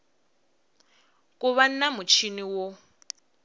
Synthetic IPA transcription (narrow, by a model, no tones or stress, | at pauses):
kʼuβan̩namut͡ʃʰiniwo